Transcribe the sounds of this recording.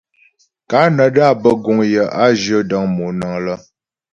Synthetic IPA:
ka˨˦nə˨da˦˨bə˦ɡu˨ŋjə˨ʔa˦d͡ʒə˦də˦ŋmu˨nə˨ŋlə˦

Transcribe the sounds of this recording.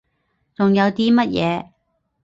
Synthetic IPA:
t͡sʊ˨ŋjɐ˨˧wt̪iː˥mɐ˥t̚jʔɛː˨˧

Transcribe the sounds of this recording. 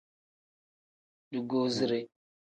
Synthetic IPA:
du˨ɡo˦zi˦ɾe˦

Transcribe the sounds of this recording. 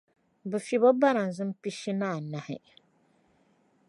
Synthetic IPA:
bɨ˨fi˨bɔ˦ba˦na˨n˨zɨ˦m˦pi˦ʃi˦naː˦˨na˨hɪ̰˨

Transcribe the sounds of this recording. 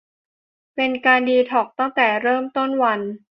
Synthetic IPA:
pe˧nkaː˧ndiː˧t̪ʰɔː˨˩k̚t̪a˥˩ŋt̪ɛː˨˩ɾɤː˥˩mt̪o˥˩nwa˧n

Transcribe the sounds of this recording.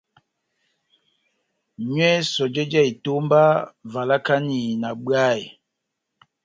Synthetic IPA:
ɲwɛ˦sɔ˨d͡ʒe˦d͡ʒɛ˦˨i˨to˦mba˦va˨la˦ka˦ni˨na˨ɓɰa˦˨j

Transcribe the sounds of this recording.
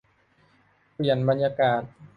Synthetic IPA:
pi˨˩ənba˧njaː˧kaː˨˩t̪̚

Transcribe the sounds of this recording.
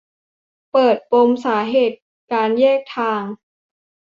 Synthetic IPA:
pɤː˨˩t̪̚po˧msaː˩˦ɦeː˨˩t̪̚ | kaː˧njɛː˥˩k̚t̪ʰaː˧ŋ

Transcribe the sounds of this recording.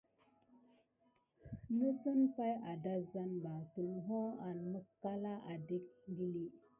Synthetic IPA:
nə˦sə˦npa˦ja˨da˦za˦nba˨tu˨n˨ɦo˦a˨nmə˦kːa˦la˦ʔa˨de˦k̚ɡi˦li˦

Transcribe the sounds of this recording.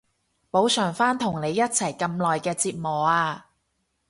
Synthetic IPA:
po˨˥wsœː˨˩ŋfaː˥nt̪ʰʊ˨˩ŋne˨˧jːɐ˥t̚t͡sʰɐ˨˩jkɐ˧mlɔː˨jkɛː˧t͡siː˧t̚mɔː˨˩aː˧

